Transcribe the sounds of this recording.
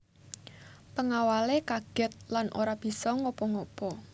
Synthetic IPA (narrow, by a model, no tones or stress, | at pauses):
pəŋawalekaɡ̥ɛ̤t̪̚lanʔo̰ɾab̥i̤sɔŋɔpɔŋɔpɔ